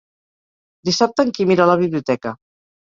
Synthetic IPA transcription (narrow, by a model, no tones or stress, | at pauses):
d̪isap̚t̪əːŋkimiɾələβiβliut̪ɛkə